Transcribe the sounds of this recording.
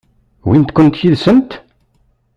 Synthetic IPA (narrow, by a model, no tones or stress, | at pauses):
wint̪kʷənt̪jiðsənt̪